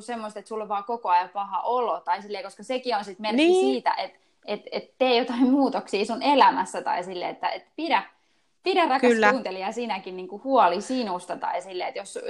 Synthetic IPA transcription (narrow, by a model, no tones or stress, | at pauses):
semːost̪et̪sulːʋʋɑːkokoɑjɑpɑhɑ̰ʔolot̪ɑisilːeikoskɑsekionsit̪merkːisiːt̪æ̰ʔet̪ | ʔet̪et̪t̪eːjot̪ɑimmuːt̪oksiːsunelæmæsːæt̪ɑ̰isilːḛet̪ːæet̪piɾæ | piɾærɑkɑlːuːnt̪eliɑsiːnækinniːŋkuhuɔlisinust̪ɑt̪ɑ̰isilːeːet̪jos